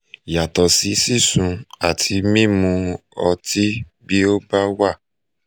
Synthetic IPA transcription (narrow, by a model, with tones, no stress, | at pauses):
ja˨tɔ˨si˨˦si˦˨sũ˨˧a˨tʰi˨˧mĩ˦mũ˧˦ɔ˧ti˦bi˦o˦ba˦wa˦˨